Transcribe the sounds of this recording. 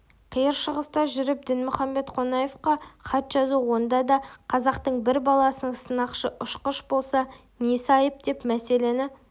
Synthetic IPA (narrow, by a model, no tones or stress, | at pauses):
qʰijəɾʃəʁəst̪ɑʒʏɾɪp̚d̪ɪnmʊχɑmbe̞t̪qʰo̞nɑje̞fqɑχɑt̪ʒɑzuwo̞nd̪ɑd̪ɑqʰɑzɑqt̪əɴbɪɾbɑlˠɑsənəɴsənɑqʃəʔʊʃqəʃbo̞lˠsɑ | ne̞sɑjəp̚d̪̥e̞pmæse̞le̞nɪ